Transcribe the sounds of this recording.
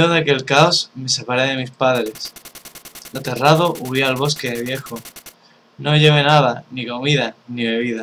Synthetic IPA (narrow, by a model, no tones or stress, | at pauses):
o̞ðeake̞lkaosme̞se̞paɾeðe̞mispaðɾe̞s | at̪e̞raðo̞ʔuialβ̞o̞ske̞ðeβje̞xo | noʝe̞βe̞naðaniko̞miðaniβe̞β̞iða